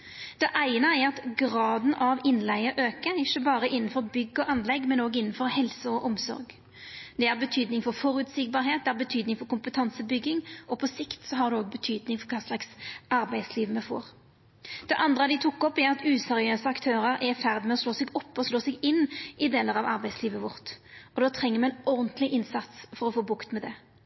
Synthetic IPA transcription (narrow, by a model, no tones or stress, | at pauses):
d̪̥ɛʔæɪnəæɾɑt̪ɡʁɑːd̪n̩ʔɑʋɪnlæɪəɾʔøːkəɾɪçːəbɑːɾəɪnːn̩fɔʁbʏɡːɔʔɑnlɛɡːmɛnoːɡɪnːn̩fɔɾhɛlsəɔʔɔmsɔ̰ɾɡ | d̪̥ɛæʁbət̪ʰyːd̪nɪŋfɔʁfɔɾʉt̪sɪɡ̚bɑːɾɦeːt̪̚d̪ɛæːʁbət̪ʰyːd̪nɪŋfɔɾkʊmpət̪ʰɑnsəbʏɡːɪŋɔpʰɔsɪkt̪sɔɦɑɾd̪ʉoːɡ̚bət̪ʰyːd̪nɪŋfɔɾkʰɑːslɑksɑɾbæɪsliːʋəmɛfo̰ːʁ | d̪̥ɛʔɑnd̪ʁəɑd̪ɪt̪ʰʊkːɔpːæɾɑt̪ʉːsɛʁɪøːsəɑkt̪ʰøːɾəɾæɾfæʁd̪ɪmɛɔsloːsɛɡɔpːɔsloːsɛɡɪnːɪd̪eːləʁɑʋɑɾbæɪsliːʋəʋʊʁt̪ɔd̪oːt̪ʰʁɛŋːəɾmɛɛnɔʁnt̪lɪʔɪnsɑt̪sfɔɾɔfoːbʊkt̪mɛd̪ɛ